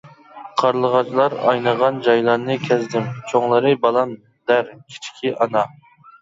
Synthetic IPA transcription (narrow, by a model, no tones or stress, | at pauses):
qʰɑɾlˠəʁɑt͡ʃlˠɑɾɑ̰jnəʁɑnd͡ʒɑjlˠɑɾnɨkʲʰɛzd̪ɪmt͡ʃʰoŋlˠɨɾɨbɑlˠɑm | d̪æɾkʲʰi̥t͡ʃʰkʲʰiʔɑnɑ